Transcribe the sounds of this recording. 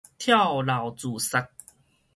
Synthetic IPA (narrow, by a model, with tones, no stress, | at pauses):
t̪ʰja˥˨wla˨˩wt͡su˨˩sa˧k̚